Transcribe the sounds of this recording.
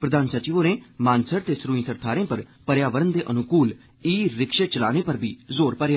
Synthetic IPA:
pɾəd̪aːnsət͡ʃiːʋõːneːmãːnsəɾt̪eːsɾũːĩːsəɾt̪ʰaːɾẽːpəɾpəɾjaːʋəɾənd̪eːʔənʊkuːl | iːɾɪkʃəːt͡ʃəlaːneːpəɾbʱiːzoːɾpəɾjaː

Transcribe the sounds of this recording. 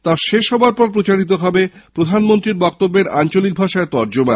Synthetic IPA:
t̪aʃeʃɦɔbaɾpɔɾpɾot͡ɕaɾit̪̬oɦɔbepɾod̪ʱanmont̪ɾiɾbɔk̚t̪obːeɾant͡ɕolik̚bʱaʃaet̪ɔɾd͡ʑoba

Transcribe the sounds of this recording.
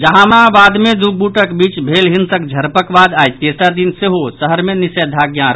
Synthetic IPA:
d͡ʒəɦãmabad̪med̪ubuʈəkbit͡ʃbʱelɦinsəkd͡ʒʱəɾpəkbad̪ajt̪esad̪inseɦosəɦəɾmenisəd̪ʱaɡjãɾ

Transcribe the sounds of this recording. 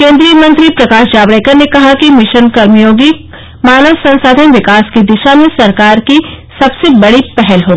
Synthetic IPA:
kẽːnd̪ɾijəmɐ̃nt̪ɾipɾɐkaːʃd͡ʒaːʋɽeːkəɾnekɐɦakimɪʃənkɐɾmijoːɡi | maːnəʋsɐ̃nsaːd̪ʱənʋɪkaːskid̪ɪʃamẽsɐɾkaːɾki | sɐbsebɐɽipɛɦɛlɦoːi

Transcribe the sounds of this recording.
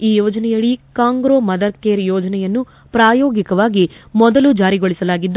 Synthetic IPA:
iːjɔːd͡ʒɐnɛjɐɭikaːŋɡɾoːmɐd̪ɐɾkeːɾjɔːd͡ʒɐnɛjɐnːu | pɾaːjoːɡikɐʋaːɡimɔd̪ɐlud͡ʒaːɾiɡoɭisɐlaːɡid̪ː

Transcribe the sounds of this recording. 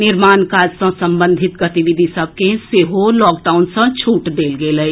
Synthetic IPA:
nɪɾmaːnkaːd͡ʒsə̃sə̃mbə̃nd̪ʱɪt̪ɡət̪iʋid̪ʱisəb̚keseɦolɔːk̚ɖaːʊnsə̃t͡ʃʰuːʈd̪eːlɡeːlə

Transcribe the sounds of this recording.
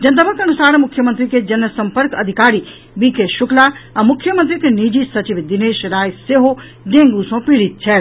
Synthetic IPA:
d͡ʒɐnt̪əbəkɐ̃ɳəsaːɾmʊkʰːjəmə̃nt̪ɾiked͡ʒɐnəsɐ̃mpəɾkɐd̪ʱɪkaːɾi | bikʰeʃʊklaɛ̃mʊkʰjəmənt̪ɾik̪eniːd͡ʑisɐt͡ɕiʋd̪ɪneːʃɾaːjseːɦo | dẽːŋɡusõpiɽit̪̚t͡ʃʰɛː

